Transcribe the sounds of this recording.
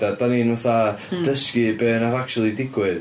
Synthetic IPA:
adaninvɛθad̥əskɨbeːnaðak̚t͡ʃʰulˠidɪɡwɨð

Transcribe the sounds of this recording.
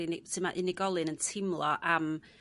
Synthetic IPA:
insɨmaʔɪnɪɡɔlˠɪnəntʰɪmlˠɔʔam

